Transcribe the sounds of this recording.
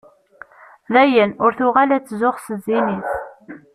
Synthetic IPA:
ðæjənʊɾθʊʁalæt͡sːzʊʁsəziniθ

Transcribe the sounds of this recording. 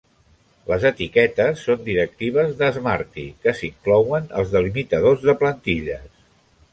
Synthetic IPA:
ləzət̪ikɛt̪əsːond̪iɾək̚t̪iβ̞əzðəzmaɾt̪ḭkəsiŋklɔwənə̰lˠzðəlimit̪əðozðəplənt̪iʎəs

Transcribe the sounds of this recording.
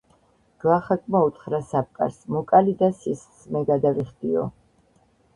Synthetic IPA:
ɡ̥laχakʼmaut̪χɾasap̚kʼa̰ɾsmɔkʼalid̪asissmɛɡad̪aviχd̪iɔ̰

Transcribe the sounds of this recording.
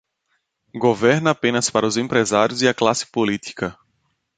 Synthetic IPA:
ɡovɛɾnɐapẽnɐspaɾɐʊzẽpɾezaɾjʊziɐklasɪ̥polit̪i̥kɐ

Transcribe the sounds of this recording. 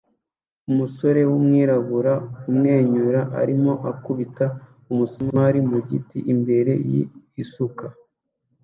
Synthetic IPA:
umuso̞ɾe̞wumŋiːɾaβuɾaumŋe̞ːɲuɾaʔa̰ɾimo̞ʔakuβita | umusoaɾimuɟḭtiʔimbe̞ɾe̞̰jḭ | isuka

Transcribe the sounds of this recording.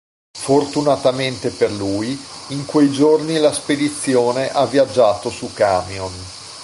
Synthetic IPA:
fort̪unat̪ament̪eperluːjiŋkwejd͡ʒornilasped̪it̪sːjoːneʔavːiad͡ʒːaːt̪osukaːmjon

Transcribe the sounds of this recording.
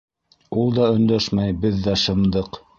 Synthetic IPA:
ulˠd̪ɑɵ̆nd̪æʃmæjbɘðːæʃɤ̆md̪ɤq

